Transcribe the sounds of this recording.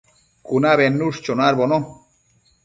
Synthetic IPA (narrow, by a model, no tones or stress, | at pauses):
kunaβenːuʂt͡ʃonaɾbono